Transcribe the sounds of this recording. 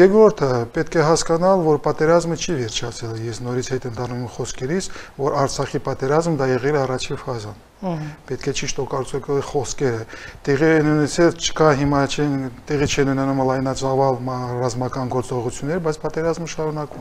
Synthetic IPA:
jɛɡɾɔɾt̪ʰəpɛt̪kʰɛɦɑskɑnɑlvɔɾpɑt̪ɛɾɑzmət͡ʃʰivɛɾt͡ʃʰɑt͡sʰɛljɛsnɔɾit͡sʰhɛt̪ɛnd̪ɑrnumɛmχɔskɛɾit͡sʰvɔɾɑɾt͡sʰɑχipɑt̪ɛɾɑzmd̪ɑjɛʁɛlɛɑrɑt͡ʃʰifɑzɑn | pɛt̪̚kʰɛt͡ʃʰiʃt̪ɔkɑɾt͡sɛkχɔskɛɾət̪ɛʁiɛnunɛt͡sʰɛlt͡ʃʰə̥kɑɦimɑt͡ʃʰɛnt̪ɛʁit͡ʃʰɛnunɛnumlɑjnɑt͡sɑvɑlmɑrɑzmɑkɑnɡɔɾt͡sɔʁut͡sʰjunːɛɾəbɑjt͡sʰpɑt̪ɛɾɑzməʃɑɾunɑkumɛ

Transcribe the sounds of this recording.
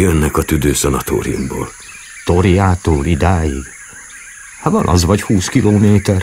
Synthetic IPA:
jønːɛkɒt̪yd̪øːzɒnɒt̪ʰo̰ːɾḭjṵmbo̰ːl | t̪oɾijaːt̪oːlid̪aːjiɡ | hɒvɒnʔɒ̰zʋɒɟhuːskiloːmeːt̪ɛr

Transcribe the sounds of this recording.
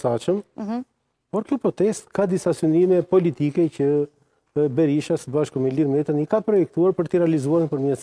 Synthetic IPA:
sat͡ʃəm | pɔɾkjɔpɾɔt̪ɛst̪kad̪isasynimɛpɔlit̪ikɛcə | bɛɾiʃasəbaʃkumɛliɾmɛt̪ənikapɾɔjɛk̚t̪uaɾpəɾt̪əɾɛalizuaɾnpəɾmɛ

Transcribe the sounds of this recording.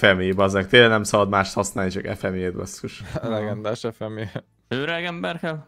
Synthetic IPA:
fɛmiebɒzɛk̚t̪eːlɛnɛmsɒbɒd̪maːʃt̪hɒsnaːlit͡ʃɒkɛ̰fɛmjeːt̪bɒ̰sːuʃlɛɡɛnd̪aːʃɛfɛme | øːɾɛɡɛmbɛrkɛl

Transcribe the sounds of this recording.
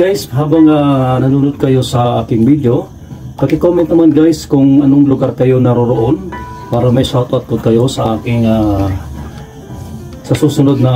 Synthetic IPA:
ɡajsɦaːbɐŋanɐnuːnʊd̪̚kɐjo̞sɐʔaːkɪŋbid̪jo̞ | pɐkɪkomɛnt̪nɐmanɡajskʊŋʔɐnoŋlʊɡaɾkɐjo̞nɐɾoɾoʔonpaːɾɐmɐjsat̪oʔɐt̪̚pʊd̪̚kɐjo̞sɐʔaːkɪŋa | sɐsuːsʊnod̪̚nɐ

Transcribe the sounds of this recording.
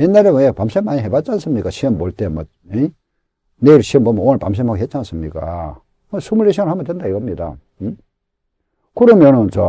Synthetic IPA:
jenːaɾeepamsʰemːaɲiɦebat̚t͡ɕ͈ans͈ɯmɲik͈aɕʰiʌmboɭt͈emʌ | e | neiɾɭɕʰiʌmbomʌoŋɭpa̰ms̬ʰemakiɦet̚t͡ɕ͈ans͈ɯmɲik͈a̰ | sʰumuɾeɕʰiŋnhamʌntwendaiɡʌmɲida̰ | kɯɾʌmjʌnɯnt͡ɕo

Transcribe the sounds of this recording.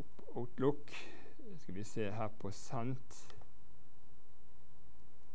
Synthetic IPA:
p | ʊt̪lʊk | skɑlʋiseːhæːʁpʰoːsɑnt̪

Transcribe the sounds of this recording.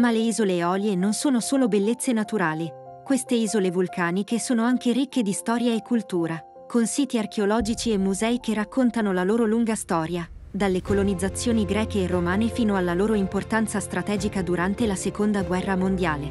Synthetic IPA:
maleiːzoleɔːljenonsoːnosoːlobelːet̪sːenat̪uɾaːli | kwest̪eiːzolevulkʰaːnik̟esoːnoaŋk̟eɾikːed̪ist̪ɔːɾjaekʰːult̪uːɾa | konsiːt̪iarkeolɔːd͡ʒit͡ʃiemːuzɛːik̟erːakːont̪anolaloːɾoluŋɡast̪ɔːɾjad̪alːekolonid̪zːat̪sːjoːniɡɾɛːkeːrːomaːnefiːnoalːaloːɾoimport̪ant̪sast̪ɾat̪ɛːd͡ʒikad̪uɾant̪elasekond̪aɡwɛrːamond̪jaːle

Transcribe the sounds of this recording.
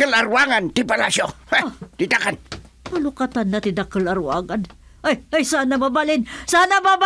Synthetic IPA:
kəlaɾwaŋant̪ɪpalasot̪ɪt̪akan | pɐlʊkat̪anːɐt̪ɪd̪akəlɐɾwa̰ːŋɐn | ajajsanɐmɐbalɪnsanamaba

